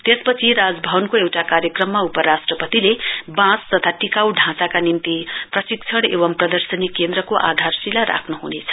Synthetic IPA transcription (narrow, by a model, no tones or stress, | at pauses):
t̪espʌt͡sʰiɾad͡zbʱʌbʌnkoewʈakaɾjʌkrʌmːaupʌɾasʈrʌpʌt̪ilebãst̪ʌt̪ʰaʈikawɖʱãt͡sakanint̪iprʌsik̚t͡sʰʌɽ̃ḛβʌmprʌd̪ʌrsʌnikend̪ɾʌkoʔa̰d̪ʱarsilaɾa̰kʰnuɦunet͡sʰʌ̥